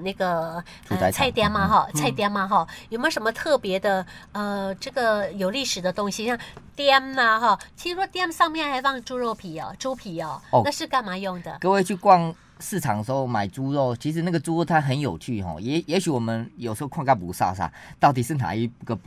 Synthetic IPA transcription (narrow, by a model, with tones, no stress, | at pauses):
na˥˩ɡə˩ | tʰu˨a˧t͡sʰa˥˧ɪt̪jɛ˥nmɐ˧xɔ˥˧t͡sʰa˥ɪt̪jɛ˥nmɐ˨xɔ˥˩jo˨˩ʊmə˧˥˩ʂə˧˥mə˧t̪ʰɤ˥˩pjɛ˧˥d̪ə˧ə˧ʈ͡ʂɤ˥˩ɡə˩jo˨˩ʊli˥˩ʂɻ̩˨˩d̪ə˦t̪ʊ˥ŋɕi˨˧ɕjɑ˥˧˩ŋt̪jɛ˥nɐ˧ɦɔ˥˧t͡ɕʰi˧˥ʂɻ̩˧ʂwɔ˥t̪jɛ˥nʂɑ˥˧ŋmjɛ˥˩nxa˧˥ɪfɑ˥˩ŋʈ͡ʂu˥ɻo˥˩ʊpʰi˨˩˦ɐ̰˩ʈ͡ʂu˥pʰi˨˩ɔ˥˩˨na˥˧ʂɻ̩˥˧ka˥˩nma˧˥jʊ˥˩ŋd̪ə̰˩kɤ˥˧we˥˧ɪt͡ɕʰy˥˧kwɑ˥˧ŋ | sɹ̩˥˩ʈ͡ʂʰɑ̰˨˦ŋdə˩ʂo˥˩ʊma˨˩ɪt͡su˥ɻo˥˨˩ʊt͡ɕʰi˧˥ʂ̬ɻ̩˧˦na˥˩ɡə˩t͡su˥o˥˧ʊt̪ʰa˥nxə˧˦njo˨˩ʊt͡ɕʰy˥˩xɔ̰˧˩jɛ˧˥jɛ˧˥ɕy˧˥wɔ˨˩mə˦njo˨˩ʊʂ̩˧˥o˥˧a˥˧ŋka˥npu˧˥sa̰˥˧s̬a̰˥˩t̪ɑ˥˩ʊt̪i˨˩ʂ̩˥˩na̰˧˦i˥ɡə˨